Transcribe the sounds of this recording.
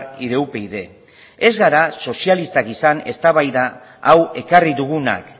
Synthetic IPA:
iðe̞upe̞iðe̞ | e̞zɣaɾaso̞sialist̪akisane̞st̪aβajðaː | we̞kariðuɣuna̰k

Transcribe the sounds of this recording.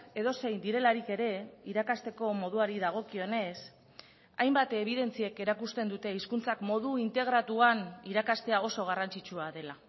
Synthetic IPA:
e̞ðo̞se̞jnd̪iɾe̞laɾike̞ɾe̞iɾakast̪e̞ko̞mo̞ð̞uaɾiðaɣ̞o̞kio̞ne̞s | ajmbat̪e̞β̞iðe̞nt͡sieke̞ɾakust̪e̞nd̪ut̪e̞iskunt͡sakmo̞ð̞uint̪e̞ɣ̞ɾat̪uaniɾakast̪e̞ao̞so̞ɣ̞arant͡sit͡ʃuaðe̞la

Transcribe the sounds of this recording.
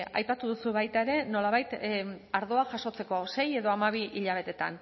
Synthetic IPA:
ajpat̪uðusuβajt̪aeɾe̞no̞laβajt̪aɾðo̞aʝaso̞t͡se̞ko̞se̞je̞ðo̞amaβ̞iʔiʎaβ̞e̞t̪e̞t̪a̰n

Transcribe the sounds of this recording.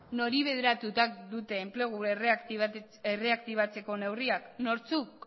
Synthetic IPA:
no̞ɾiβe̞ð̞eɾat̪ut̪ak̚d̪ut̪e̞ːmple̞ɣ̞uerekt̪i | ere̞akt̪iβ̞at͡se̞ko̞ne̞wriakno̞ɾt͡suk

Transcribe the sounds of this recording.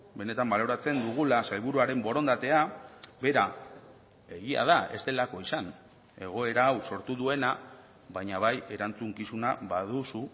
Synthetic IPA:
be̞ne̞t̪ambalo̞ɾat͡se̞nd̪uɣ̞ulasajβ̞uɾuaɾe̞mbo̞ɾo̞nd̪at̪e̞abe̞ɾa | e̞ɣia̰ð̞ae̞̰st̪elako̞isan | e̞ɣ̞o̞e̞ɾaːwso̞ɾt̪uðue̞na | βajɲaβ̞aje̞ɾant͡suŋkisunaβaðusu

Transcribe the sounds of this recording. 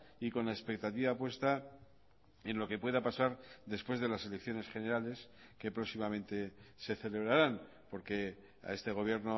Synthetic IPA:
iko̞nlaespe̞k̚t̪at̪iβapwe̞st̪a | e̞nlo̞ke̞pwe̞ðapasaɾðe̞spwe̞zðe̞lase̞lekθjo̞ne̞sχe̞ne̞ɾale̞s | ke̞pɾosimamẽ̞nt̪e̞se̞θe̞le̞β̞ɾaɾan | po̞ɾke̞ | a̰e̞st̪e̞ɣ̞o̞βje̞ɾno

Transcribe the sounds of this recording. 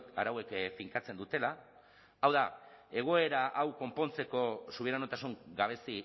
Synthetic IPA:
a̰ɾawe̞kfiŋkat͡se̞nd̪ut̪e̞laː | wðae̞ɣ̞o̞e̞ɾaʔawko̞mpo̞nt͡se̞ko̞suβiɾanot̪asuŋɡaβ̞e̞si

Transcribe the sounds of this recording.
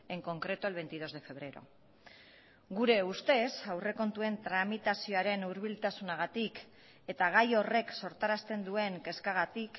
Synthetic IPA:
e̞ŋko̞ŋkɾe̞t̪uelβ̞e̞jnt̪ið̞o̞zðe̞fe̞β̞ɾe̞ɾo̞̰ | ɣuɾe̞ust̪e̞sawre̞ko̞nt̪ue̞nt̪ɾamit̪asio̞aɾe̞nuɾβilt̪asunaɣ̞at̪ik | e̞t̪aɣ̞ajo̞re̞kso̞ɾt̪aɾast̪e̞nd̪ue̞ŋke̞skaɣ̞at̪ik

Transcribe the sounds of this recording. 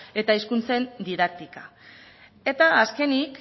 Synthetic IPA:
e̞t̪aiskunt͡se̞nd̪iðak̚t̪ika | e̞t̪aːske̞nik

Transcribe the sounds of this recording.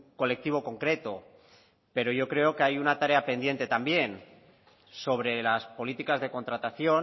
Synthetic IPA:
ko̞le̞k̚t̪iβ̞o̞ko̞ŋkɾe̞t̪o̞ | pe̞ɾo̞ʝo̞kɾe̞o̞keajunat̪aɾe̞ape̞nd̪je̞nt̪et̪ambje̞n | so̞β̞ɾe̞laspo̞lit̪ikazðe̞ko̞nt̪ɾat̪aθjo̞n

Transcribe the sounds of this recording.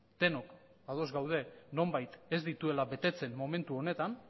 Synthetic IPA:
t̪e̞no̞k | að̞o̞zɡawð̞e̞no̞mbajt̪e̞zd̪it̪ue̞laβe̞t̪e̞t͡se̞nmo̞me̞nt̪uo̞ne̞t̪an

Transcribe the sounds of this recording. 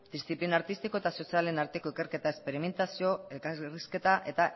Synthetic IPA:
d̪̥ist̪iplinaɾt̪ist̪iko̞e̞t̪aso̞siale̞naɾt̪e̞ko̞ikeɾke̞t̪aespe̞ɾime̞nt̪asio̞elkariske̞t̪aʔe̞t̪a

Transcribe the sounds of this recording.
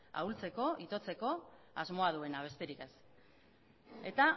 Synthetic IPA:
a̰ult͡se̞ko̞ʔit̪o̞t͡se̞ko̞ | azmo̞að̞ue̞naβ̞e̞st̪e̞ɾikes | e̞t̪a

